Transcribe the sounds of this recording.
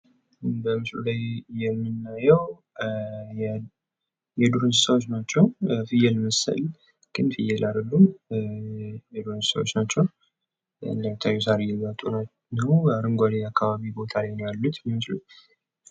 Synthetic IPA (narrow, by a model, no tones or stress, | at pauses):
bəmɨslṵlajjɛmːɨnːajɛw | jɛd̪uɾɨnsəwot͡ʃːnat͡ʃːɛwfɨjɛlməsə̰l | ɡ̥ɨnfɨjɛlʔad̪əlːum | jɛd̪uɾɨnssə̰wot͡ʃːnat͡ʃːɛw | ɨ̰nd̪əmit̪ʰːajːɛs̬aɾijɛmat̪ʼuna | nəwaɾɨŋɡʷalijakʰːaβaβibo̞t̪ʰalajnəjalːut̪jɛmɨslu